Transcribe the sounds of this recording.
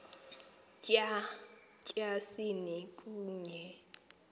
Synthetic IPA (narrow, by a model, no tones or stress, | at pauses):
kʼa | kʼjasinikʼuːɲɛ